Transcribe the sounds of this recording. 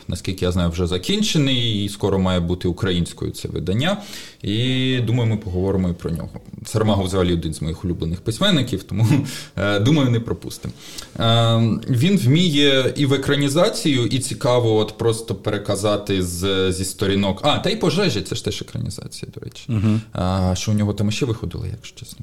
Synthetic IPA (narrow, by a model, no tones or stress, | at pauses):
nɐsʲkʲilʲkɪjaznɑjʊwʒɛzɐkʲinʲt͡ʃenɪjiskɔɾɔmɑjɛbut̪ɪʊkɾɐjinʲsʲkɔ̰jʊ̰t̪sɛ̰ʋɪ̰d̪ɐnʲːaid̪umɐjʊmɪpɔɦɔʋɔɾɪmɔipɾɔ̰nʲɔ̰ɦɔ̰sɐrmɑɦɔwzɐɦɐlʲiɔd̪ɪnzmɔjixʊlʲublˠenɪxpɪsʲmɛnːɪkʲiwt̪ɔmu | d̪umɐjʊnɛpɾɔpṵst̪ɪm | ʋʲinwmʲijɛiʋekɾɐnʲizɑt͡sʲijʊʔit͡sʲikɑʋɔɔt̪pɾɔst̪ɔpeɾekɐzɑt̪ɪzzʲist̪ɔɾʲinɔkɑt̪ɐipɔʒɛʒɛtsɛʃt̪ɛʃekɾɐ̰nʲḭzɑ̰t͡sʲijɐd̪ɔɾɛ̰t͡ʃɪ̥ | ʃt͡ʃɔʊnʲɔɦɔt̪ɑmɪʃt͡ʃɛʋɪxɔd̪ɪ̰lˠɐ̰ja̰kʃt͡ʃɛsʲnɔ